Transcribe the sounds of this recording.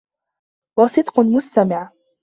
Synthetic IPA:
wɑsˤɨd̪qmʊst̪amɪʕ

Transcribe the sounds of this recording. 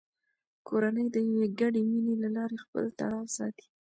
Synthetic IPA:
kʰoɾanəjd̪əjaweɡaɖeminelalɑɾexpə̰lt̪a̰ɽɑwsɑ̰t̪i̥

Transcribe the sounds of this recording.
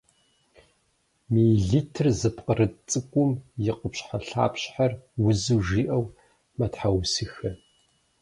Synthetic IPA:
miːɮitʰɨrzɨpqʼərɨt͡sʼɨkʷʼʊmjɪqʼʊpɕħaɬa̰ːpɕħarwʊzuwʒiːʔɐw | mɐtħawsɨxɐ

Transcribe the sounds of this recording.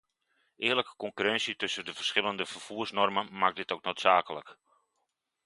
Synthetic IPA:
ʔɪːləkə̥kɔŋkyrɛnsjətɵsəndəfərsχɪlˠəndəfərfuːrsnɔrmənmak̚dɪtowk̚noːtsaːkələk

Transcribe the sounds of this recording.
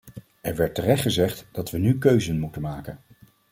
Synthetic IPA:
ʔɛɹʋɛɹtːərɛχtχəzɛχtd̥ɑtʋənykøɥzənmutənmaːkən

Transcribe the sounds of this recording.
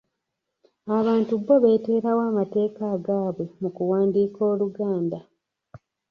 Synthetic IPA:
aβaːntuβːo̞βe̞ːte̞ːɾawaːmate̞ːkaːɡaːβwe̞mukuwaːndiːko̞ːluɡaːnda

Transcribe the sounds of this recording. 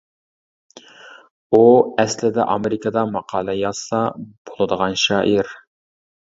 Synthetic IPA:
uɛslɪd̪ɛ̰ʔɑmeɾɪkʰɑd̪ɑmɑqʰɑːlˠɨjɑsɑb̥olˠɨd̪əʁɑnʃɑːʔiɾ

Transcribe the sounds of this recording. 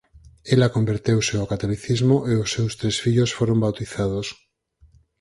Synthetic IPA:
elakombeɾt̪ewseokat̪oliθizmoʔeosːewst̪ɾesfiʎosfoɾombawt̪iθað̞os

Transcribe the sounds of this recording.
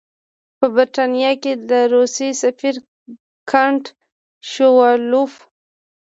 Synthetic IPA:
pəbɪɾʈanijɑked̪əɾusesafiɾ | kʰaɳʈ | ʃowɑluf

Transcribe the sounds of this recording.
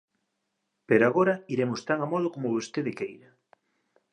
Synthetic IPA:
peɾoaɣoɾɐiɾemʊst̪aŋamɔðokomoβost̪eðɪkejɾɐ

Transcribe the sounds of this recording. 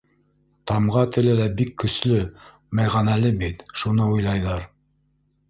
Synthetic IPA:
t̪ɑmʁɑt̪ɘ̆lɘlæbikːɵ̆slɵ | mæjʁɑnælɘbit̪ʃunɤujlˠɑjðɑɾ

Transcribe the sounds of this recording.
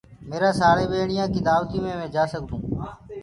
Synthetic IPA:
meːɾãːsaːɾeːɓeːɳɪjãːkɪt̪aːʋt̪ĩːmẽːmẽːd͡ʒaːsəɠd̪ũː

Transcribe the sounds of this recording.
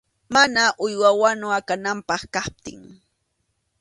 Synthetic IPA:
manaʔʊjwawanʊakanampɑχkap̚t̪ɪ̰ŋ

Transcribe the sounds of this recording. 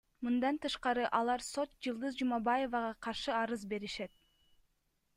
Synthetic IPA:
mɯnd̪ɑnt̪ɯʃqɑɾɯʔɑlˠɑɾso̞t̪̚d͡ʒɯlˠd̪ɯzd͡ʒumɑbaje̞vɑʁɑqʰɑɾʃɯɑɾɯzbe̞ɾiʃet̪̚

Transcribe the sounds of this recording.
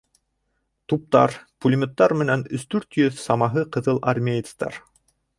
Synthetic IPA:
t̪up̚t̪ɑ̰ɾpulʲimʲet̪ːɑɾmɘ̆nænɵ̆st̪ʉɾt̪jɵðsɑmɑɦɤqɤ̆ðɤlˠʔa̰rmʲejɪt̪st̪ɑ̰ɾ

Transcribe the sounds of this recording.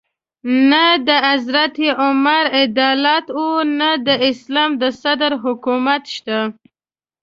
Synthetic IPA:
nad̪əazɾat̪iʔʊmaɾɪd̪ɑlɑt̪wunad̪əɪslɑmd̪əsad̪ɾɦʊkumat̪ʃt̪a

